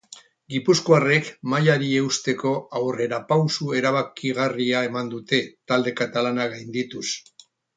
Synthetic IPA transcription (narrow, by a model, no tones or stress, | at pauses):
ɡipuskoare̞kmajaɾie̞ust̪e̞ko̞awre̞ɾapawsue̞ɾaβ̞akiɣ̞ariae̞mand̪ut̪e̞t̪ald̪e̞kat̪alanaɣajnd̪it̪us